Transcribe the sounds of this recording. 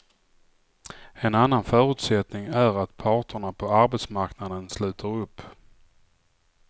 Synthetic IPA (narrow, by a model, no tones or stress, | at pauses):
ɛnanːanfœːɾɵ̟ːt̪sɛt̪nɪŋæɾat̪pʰɑːʈəɳapʰɔaɾbɛt̪smaɾknad̪ənslʉ̟ːt̪ʰaɾɵpː